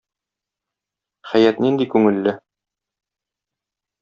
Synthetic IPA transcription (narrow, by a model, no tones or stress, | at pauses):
χæjæt̪nind̪ikʉŋɘ̆lːɘ